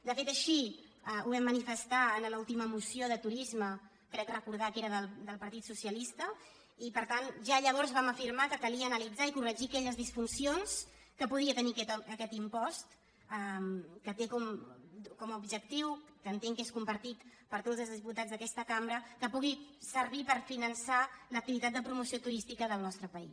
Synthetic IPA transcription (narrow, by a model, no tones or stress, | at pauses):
d̪əfet̪əʃiəuβɛmːənifəst̪aənlulˠt̪iməmusioðət̪uɾizmə | kɾɛkrəkuɾð̞akeɾəðəld̪əlˠpəɾt̪it̪susiəlist̪ə | ipəɾt̪anʒaʎəβ̞ɔɾzβaməfiɾmakəkəliəːnəlid͡zaikurəʒiəkɛʎəzðisfunsions | kəpuðiət̪ənikɛəkɛt̪impɔst̪ | əkət̪ekɔmkɔməubʒək̚t̪iwkənt̪eŋkeskumpəɾt̪it̪pəɾt̪ozəlˠzðiput̪ad͡zðəkɛst̪əkambɾəkəpuɣisəɾβ̞ipəɾfinənsalək̚t̪iβit̪at̪d̪əpɾumusiot̪uɾist̪ikəðəlˠnɔst̪ɾəpəḭs